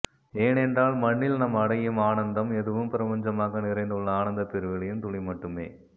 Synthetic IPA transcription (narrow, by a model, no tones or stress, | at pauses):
eːnɛndraːlmɐɳːɪlnɐmːɐɽɐjɯmaːnɐnd̪ɐmɛðɯʋɯmpɪɾɐpɐɲd͡ʒɐmaːɣɐnɪɾɐɪnd̪ɯɭːɐaːnɐnd̪ɐpɪɾɯʋɐɭɐjɯnt̪ʊɭɪmɐʈːɯmḛː